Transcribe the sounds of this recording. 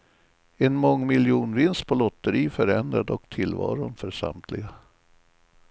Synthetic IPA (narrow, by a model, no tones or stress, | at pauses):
ɛnmɔŋːmɪljuːnvɪnst̪̚pʰɔlɔt̪ːəɾiːfœɾɛnd̪ɾad̪ɔkt̪ʰɪlːvɑ̰ːɾʊnfœɾʂa̰mt̪ʰlɪɡa